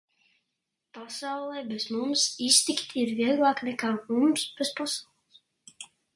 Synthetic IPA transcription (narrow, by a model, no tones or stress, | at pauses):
pasawlˠɛbɛz̥mumsist̪ikt̪iɾviɛɡlˠaːknɛkaːmumsb̥ɛspasawlˠɨs